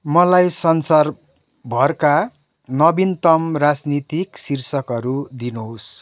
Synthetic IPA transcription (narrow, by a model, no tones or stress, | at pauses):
mʌlajsʌnsar | bʱʌrka | nʌbint̪ʌmrad͡znit̪iksirsʌkʌɾud̪inuɦos